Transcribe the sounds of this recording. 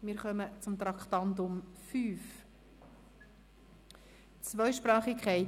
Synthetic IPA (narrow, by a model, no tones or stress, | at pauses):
mɪːɾχœmət͡sʊmt̪ɾɑkχt̪ɑnt̪ʊmfyːf | t͡svœʏʃpɾɑːχikʰɛɪ